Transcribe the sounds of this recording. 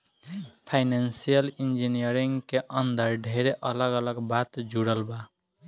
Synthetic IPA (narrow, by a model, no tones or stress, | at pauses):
pʰaɪnansijəlind͡ʒinijəɾiŋɡkeʔənd̪əɾɖʱeɾeʔələɡələɡbat̪d͡ʒuɽəlba